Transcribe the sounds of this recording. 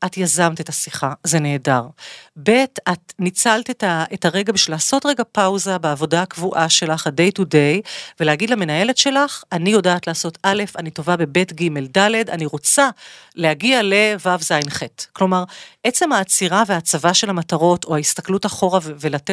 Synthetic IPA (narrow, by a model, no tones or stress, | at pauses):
ʔatjazamtetasiχaze̞neːdaʁbe̞tatnit͡saltetaʔetaʁe̞ɡabiʃvilaːso̞tʁe̞ɡapawzabeːvo̞daakvuʔaʃe̞laχhade̞jtude̞jvelehaɡidlame̞naje̞le̞tʃe̞laχanijo̞daːtlaːso̞tale̞fanito̞vabe̞be̞tɡime̞ldale̞daniʁo̞t͡salehaɡiale̞vavzajnχetklo̞maʁʔe̞t͡se̞mhaːt͡siʁaveat͡savaʃe̞lhamataʁo̞tʰo̞haist̪aklutaχo̞ʁavvelate